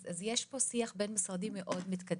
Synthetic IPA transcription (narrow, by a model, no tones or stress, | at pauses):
azjeʃposiaχbeːnmisʁɑd̪imːeʔod̪mit̪kad̪